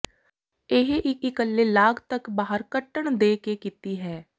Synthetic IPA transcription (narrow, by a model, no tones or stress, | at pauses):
ɪɦeʔɪkɪkəlːeːlaːɡt̪əkbaːɦəɾkəʈːəɳd̪eːkekiːt̪iːɦɛː